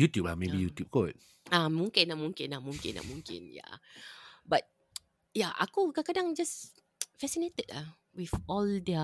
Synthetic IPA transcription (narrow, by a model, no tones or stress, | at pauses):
jutjup̚lamebijutjup̚kot̚ | amũŋkɪ̃nːaʔmũŋkɪ̃nlamũŋkɪ̰̃na̰ʔmũŋkɪ̰̃nja̰ | bat̚ | jaʔa̰kukakadãŋd͡ʒas | fɛsinet̪əta | wifɔldɛ